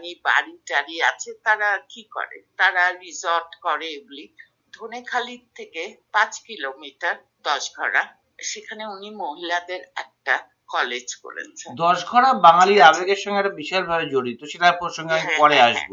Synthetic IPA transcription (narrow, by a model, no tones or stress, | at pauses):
niba̰ɾiʈaɾia̰t͡ɕʰet̪aɾakikɔ̰ɾḛt̪aɾaɾizoɾʈkɔɾeebuli | d̪ʱonekʰalit̪ʰekepãt͡ɕkilomiʈaɾ | d̪ɔʃɡʱɔɽa | ʃekʰaneunimoɦilad̪eɾɛk̚ʈa | kɔled͡ʑko̰ɾḛt͡ɕʰed̪ɔʃɡʱɔɽabaŋaliɾabeɡeɾʃɔŋɡeɛʈabiʃalbʱabed͡ʑoɽit̪oʃeʈaɾpoʃɔŋɡeamipɔɽeaʃbo